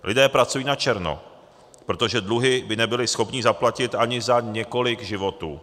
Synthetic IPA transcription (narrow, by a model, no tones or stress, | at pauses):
lʔɪdɛːpɾat͡sujiːnat͡ʃɛɾno̰ | pɾo̞t̪o̞ʒɛdluɦɪbɪnɛbɪlɪsxo̞pɲɪzaplacɪt̪ʔaɲɪzaɲɛko̞lɪɡʒɪvo̞t̪ṵː